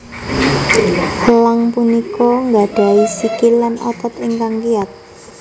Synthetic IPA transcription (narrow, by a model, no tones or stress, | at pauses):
laŋpunikɔŋɡaɖ̥a̤isikɪlːanʔɔt̪ɔt̪ɪŋkaŋkiat̪̚